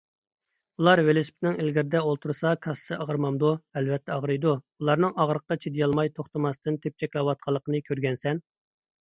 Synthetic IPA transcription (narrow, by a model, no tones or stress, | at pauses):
ulˠɑɾwelɪsp̪̚nɪŋelɡʲɪɾɪd̪ɛolˠt̪ʰuɾsɑkʰɑssɨəʁəɾmɑmd̪uɛlvɛt̪ʰːɛɑʁɾɨjd̪uulˠɑɾnɨŋɑʁɾəqːɑt͡ʃʰed̪jɑlˠmɑjt̪ʰoχt̪ɨmɑst̪ɨnt̪ʰep̚t͡ʃʰɛkʲlɑwɑt̪̚qʰɑlˠːəqənɨkʲʰøɾɡʲɛnsɛn